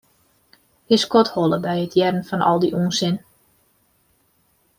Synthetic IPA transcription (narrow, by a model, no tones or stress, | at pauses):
ɪskɔthɔləbɛjətʰjɛrən̩fɔnʔɔ̰lˠdiʔuənsɪn